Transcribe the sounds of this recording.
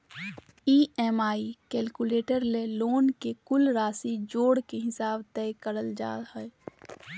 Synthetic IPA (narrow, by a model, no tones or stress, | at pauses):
iːɛːmaːikɛːlkuleːʈəɾleloːnkekʊlɾaːsid͡ʒoːɽkeɦɪsaːbt̪ɛːkəɽəld͡ʒa̰ːɦɛː